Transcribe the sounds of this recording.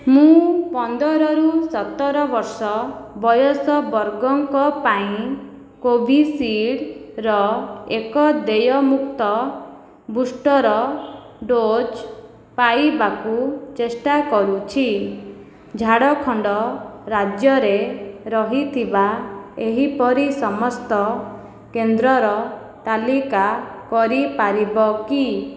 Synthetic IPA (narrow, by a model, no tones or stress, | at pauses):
mũpɔnd̪ɔɾɔɾusɔt̪ɔɾɔbɔɾsɔbɔjɔsɔbɔɾɡɔŋkɔpaĩ | kobʱisiɽɾɔekɔd̪ejɔmukt̪ɔ | busʈɔɾɔ | ɖod͡ʒ | paibakut͡ʃesʈakɔɾut͡ʃʰi | d͡ʒʱaɽɔkʰɔɳɖɔɾad͡ʒjɔɾeɾɔɦit̪ʰibaeɦipɔɾisɔmɔst̪ɔ | kend̪ɾɔɾɔ | t̪alikakɔɾipaɾibɔki